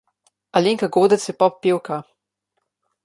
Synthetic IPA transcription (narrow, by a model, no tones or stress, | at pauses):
aleŋkaɡoːd̪ət̪sjɛpɔppːewka